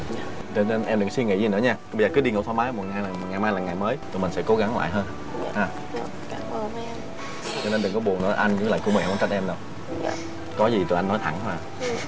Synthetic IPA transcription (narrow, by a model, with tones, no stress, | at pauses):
t͡ɕɔ˧ne˧nʔɛ˧mɗɨ̰˨˧˩ŋswi˧ŋḭ˧˩zi˨˩nɨ̰˧˥əɲaː˧ɓjzəː˨˩kɨ˨˦ɗi˧ŋɨ̰˧˥t̪ʰaː˨˧˦maː˨˦˧mo˨˩ŋaː˧jlaː˨˩m˨˩t̚ŋa˨˩jmaː˧jlaː˨˩ŋa˨˩jməː˨˦jt̪o˨˩mï˨˩ŋ̟sɛ̰˧˥ko˨˦ɣa˨˦ŋla̰ː˧˨jɦəː˧n | ʔaː˨˩ | ka˨˧˨mʔəː˧n | t͡ɕɔ˧ne˧nt̪ɨ˨˩ŋkɔ˨˦ɓu˨˩əŋnɨ̰˧˥əʔa˧jŋ̟˧˦˥la̰ː˧˨jku˧˩əmi˨˩˨ŋkɔ˧˦ka˦˥ʔɛ˧mɗə˨˩w | kɔ˨˦zi˨˩t̪o˨˩jʔa˧nːɔ˨˦jt̪ʰa̰˧˩ŋtwaː˧˩